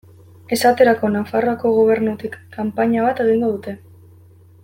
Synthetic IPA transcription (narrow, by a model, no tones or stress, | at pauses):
e̞sat̪e̞ɾako̞nafaro̞ako̞ɣ̞o̞β̞e̞ɾnut̪ikːampaɲaβ̞at̪e̞ɣ̞iŋɡo̞ðut̪e̞